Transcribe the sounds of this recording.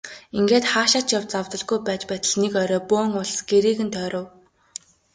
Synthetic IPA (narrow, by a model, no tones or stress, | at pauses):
iŋɡeːt̪χaːʃaːt͡ɕjawt͡sawt̪ə̆ɮɡujpæːt͡ɕpæːt̪ə̆ɮnekœɾɔːpʊːŋʊɮsɡ̥eɾiːɣɘ̆nt̪ʰœːɾʊ̆w